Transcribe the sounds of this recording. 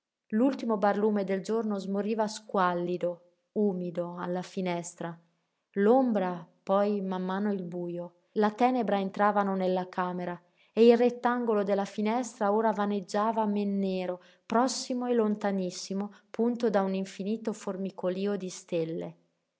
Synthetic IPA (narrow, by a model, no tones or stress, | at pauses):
lult̪imobarluːmed̪eld͡ʒornozmoɾiːvaskwalːid̪o | uːmid̪oalːafinɛst̪ɾa | lombɾapɔjmamːaːnoilbuːjo | lat̪ɛːnebɾaent̪ɾaːvanonelːakʰaːmeɾa | eilret̪ːaŋɡolod̪elːafinɛst̪ɾaoːɾavaned͡ʒːaːvamenːeːɾo | pɾɔsːimoelont̪anisːimopunt̪od̪auniɱfiniːt̪oformikʰoliːod̪ist̪elːḛ